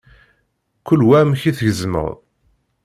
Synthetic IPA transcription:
kʷːʊlːwæmçiθʝəzmə̰ʁ

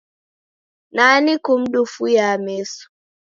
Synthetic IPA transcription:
nanikʊmdufujaːmeːsu̥

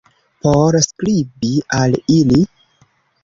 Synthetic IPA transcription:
poɾsklibialili

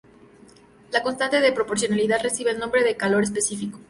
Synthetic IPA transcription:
lako̞nst̪ant̪eðepɾo̞po̞ɾs̬jo̞naliðaðre̞siβeːlnombɾe̞ðekalo̞ɾe̞s̬pe̞sifiko

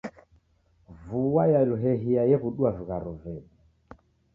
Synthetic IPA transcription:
vuwajaluɦɛɦiajɛɣuɗuavuɣaɾuvɛɗi

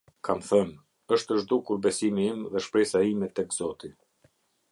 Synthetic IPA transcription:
kamθən | əʃt̪əʒd̪ukuɾbɛsimiimðɛʃpɾɛsaimɛt̪ɛɡz̥ɔt̪i

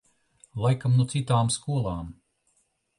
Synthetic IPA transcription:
lˠajkamnut̪sit̪aːmskuɔlˠaːm

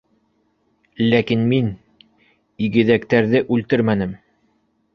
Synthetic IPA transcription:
lækinmin | iɡɘ̆ðækt̪æɾðɘʔʉlt̪ɘɾmænɘm

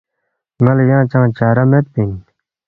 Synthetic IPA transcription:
ŋɐljãːt͡ɕãːt͡ɕaːɾɐmet̪̚pin

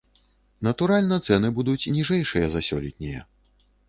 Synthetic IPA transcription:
nɐt̪uɾalʲnɐt̪sɛnɨbud̪ut͡sʲnʲiʐɛjʂɨjɐzasʲɔlʲit̪ʲnʲɛjɐ̰

